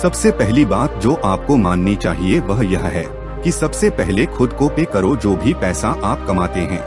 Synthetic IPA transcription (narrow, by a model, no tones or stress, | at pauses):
sɐbsepɛɦlibaːt̪̚d͡ʒoːʔaːp̚komaːnnit͡ʃaːɦieʋɐɦjɐɦɦɛː | kisɐbsepɛɦlexʰʊd̪kõpekɐɾod͡ʒoːbʱipɛːsaʔaːp̚kɐmaːt̪eɦɛ̰̃ː